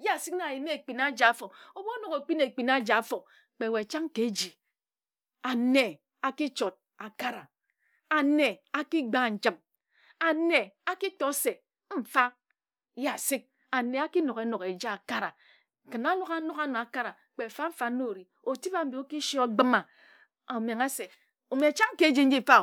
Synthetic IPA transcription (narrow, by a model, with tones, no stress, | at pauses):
ja˦˨si˦k̚na˨i˨me˦˨k͡pi˨na˦d͡ʒa˨˦fo˨o˦bo˦no˨ke˨k͡pi˦ne˨k͡pi˨na˦d͡ʒa˨a˦fo˨ | k͡pe˨we˨t͡ʃa˦ŋ˦ke˨˦d͡ʒi˨ | a˨ne˨ | a˨ki˦t͡ʃo˨d̚ | a˨ka˦ɾa˨ | a˨ne˨a˨ki˦ɡ͡ba˦˨n̩˨t͡ʃɨ˦m | a˨ne˨a˦ki˦to˦se˨ | m̩˦˨fa˦ | ja˨si˦k̚ | a˨ne˨a˦ki˦no˨ke˦no˨ke˨d͡ʒa˦a˨ka˦ɾa˨ | kɨ˨na˦no˦ka˦no˦ka˦no˨a˨ka˦ɾa˨ | k͡pe˨fa˦m̩˦fa˨˦no˦˨ɾi˨ | o˨ti˦ba˦m̩˦bi˨o˦ki˦ʃi˦a˦ɡ͡bɨ˦ma˨ | a˨me˨ŋa˦se˨ | o˨me˨a˨t͡ʃa˦ŋ˦ke˨˦d͡ʒi˨˦n̩˦d͡ʒi˦˨fa˦˨